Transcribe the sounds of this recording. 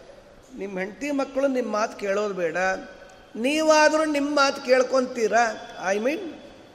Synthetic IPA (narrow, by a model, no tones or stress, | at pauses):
nimːɐɦe̞ɳt̪imɐkːɐɭunimːaːt̪keːɭoːd̪bɛːɽɐ | niːʋaːd̪ɐɾunimːmaːt̪keːɭkoɳt̪iːɾɐːjmiːn